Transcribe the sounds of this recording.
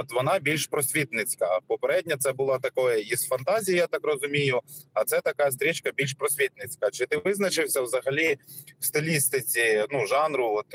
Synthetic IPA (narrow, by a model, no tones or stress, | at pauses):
ɔt̪ʋɔnɑbʲilʲʃpɾɔsʲʋʲit̪nɪt͡sʲkɐpɔpeɾɛdʲnʲɐt̪sɛbʊlˠɑt̪ɐkɔjɛisfɐnt̪ɑzʲijɐjat̪ɑkrɔzʊmʲijʊɐt̪sɛt̪ɐkɑst̪ɾʲit͡ʃkɐbʲilʲʃpɾɔsʲʋʲit̪nɪt͡sʲkɐt͡ʃɪt̪ɪʋɪznɐt͡ʃɪwsʲɐwzɐɦɐlʲiwst̪ɪlʲist̪ɪt͡sʲinuʒɑnɾʊɔt̪